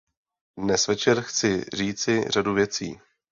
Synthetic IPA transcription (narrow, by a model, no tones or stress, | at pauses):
dnɛsvɛt͡ʃɛɾxt͡sɪr̝iːt͡sɪr̝aduvjɛt͡siː